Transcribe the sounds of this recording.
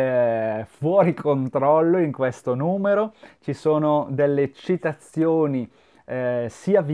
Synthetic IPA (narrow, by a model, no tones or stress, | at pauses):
fwɔːɾikʰont̪ɾɔlːoiŋkwest̪onuːmeɾot͡ʃisoːnod̪elːet͡ʃit̪at̪sːjoːni | siːav